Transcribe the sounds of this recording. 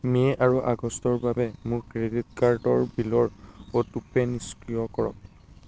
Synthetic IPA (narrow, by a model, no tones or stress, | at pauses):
mɛʔaɹuʔaɡɔstɔɹbabɛmʊɹkɹedit̚kaɹdɔɹbilɔɹotupɛniskɹijɔkɔɹɔ̰k